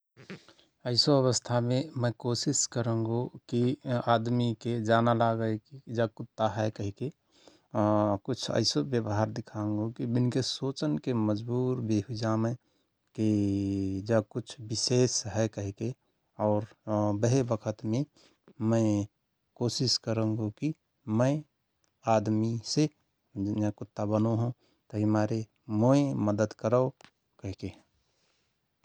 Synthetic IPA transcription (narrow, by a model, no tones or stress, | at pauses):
əɪsoəβəst̪ʰamẽmə̃kosɪskəɾə̃ŋɡokiaːd̪miked͡ʒaːnalaɡəkid͡ʒəkʊt̪ːaɦɛkəɦike | kʊt͡ʃʰə̰ɪsobjəbɦaɾd̪ɪkʰaə̃ŋɡokibɪnkesoːt͡ʃənkeməd͡ʒbuːɾbeɦud͡ʒaːmə | ki | d͡ʒakʊt͡ʃʰbɪseːsɦɛkəɦke | ɔːɾbəɦebəkʰət̪mẽ | mə̃ | koːsɪskəɾə̃ŋɡoki | mə̃ | aːd̪mise | ɛkʊt̪ːabənoɦũ | t̪əɦimaːɾe | moeməd̪əd̪kəɾəo | kəɦke